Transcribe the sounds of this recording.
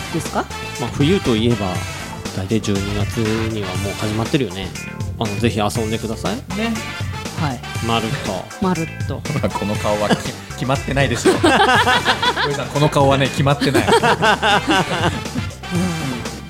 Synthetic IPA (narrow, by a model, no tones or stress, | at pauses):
d̪̥e̞sɨ̥ka | maːɸɯ̟jɯ̟ːt̪o̞ie̞ba̰ | d̪̥ait̪aid͡ʑɨːɲ̟iɡat͡sɨɲ̟iβamo̞ːhaʑimat̪ːe̞ɾɯ̟jo̞ne | ano̞d͡ze̞çiasõ̞nd̪e̞kɯ̟d̪asainehai | maɾɯ̟t̪ːo̰ | maɾɯ̟t̪ːo̞hoɾakʰo̞no̞kaoβa | kʲimat̪ːe̞naid̪e̞sɨo | is̬ãŋko̞nokao̞βane̞kʲimat̪ːe̞nai | ɯ̃